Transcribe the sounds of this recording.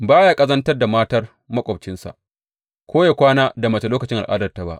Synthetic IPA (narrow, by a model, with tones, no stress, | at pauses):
baː˦ja˦kʼɐ˦zɐ˦ntɐ˦rda˨maː˦tɐ˦r | mɐ˦kʷʼɔ˨bt͡ʃɪ˦nsa̰˨ʔ | kʷoː˦ja˨kʷaː˦naː˦da˨mɐ˨t͡ʃe˨loː˦kɐ˨t͡ʃɪ˦ŋʔa˨lʔʼa̰ː˦dɐ˨rta˨ba̰˦ʔ